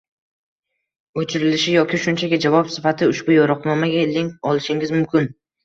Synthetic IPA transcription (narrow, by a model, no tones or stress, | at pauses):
ot͡ʃʰɪɾɪlɪʃɪjɒkʲɪʃʊnt͡ʃʰaɡʲad͡ʒavɒpsɪfat̪ʰɪʊʃbʊjɒɾɒqnɒmaɡʲaleŋkʲɒlˠɪʃɪŋʲɪzmʊmkʲɪn